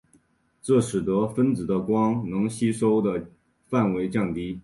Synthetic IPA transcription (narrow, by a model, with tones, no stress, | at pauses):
ʈ͡ʂɤ˥˩ʂɻ̩˨˩t̪ɤ˧˥fə˥nt͡sɹ̩˨˩d̪ə˦kwɑ˥ŋnɤ˧˥ŋɕi˥ʂo˥ʊd̪ə˨ | fa˥˩nwe˧˥ɪt͡ɕjɑ˥˩ŋt̪i˥